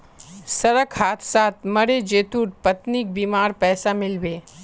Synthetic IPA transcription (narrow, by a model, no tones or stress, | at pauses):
sɐɾəkhaːt̪ʰsaːt̪̚ʰmɐɾed͡ʒeːt̪uːʈ̚pɐt̪nik̚biːmaːɾpɛːsamɪlbeː